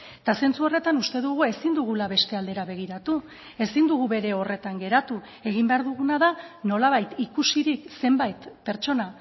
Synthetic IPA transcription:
t̪ase̞nt͡suo̞re̞t̪anust̪e̞ðuɣue̞sind̪uɣ̞ulaβe̞st̪e̞ald̪e̞ɾaβe̞ɣ̞iɾat̪u | e̞sind̪uɣ̞uβe̞ɾe̞o̞re̞t̪aŋɡe̞ɾat̪u | e̞ɣ̞imbe̞aɾðuɣ̞unaðano̞laβ̞ajt̪ikusiɾikse̞mbajt̪pe̞ɾt͡ʃo̞na

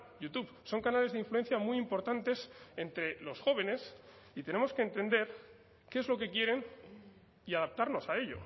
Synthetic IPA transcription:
jut̪uβso̞ŋkanale̞zðiɱflue̞n̟θjamwiimpo̞ɾt̪ant̪e̞sent̪ɾe̞lo̞sxo̞β̞e̞ne̞s | it̪e̞ne̞mo̞ske̞ːnt̪e̞nd̪e̞ɾ | keezlo̞ke̞kje̞ɾe̞n | iaðap̚t̪aɾno̞sae̞ʎo̞̰

